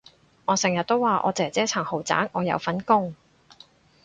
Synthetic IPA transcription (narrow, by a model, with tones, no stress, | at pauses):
ŋɔː˨˧sɪ˨˩jɐ˨t̚t̪o˥wwaː˨ʔɔ̰ː˨˧t͡sɪ˨˩t͡sɛː˥t͡sʰɐː˨˩ŋho˨˩wt͡sa̰ː˨˥ŋʔɔː˨˧jɐ̰˨˧wfɐ˨˥nkʊ˥ŋ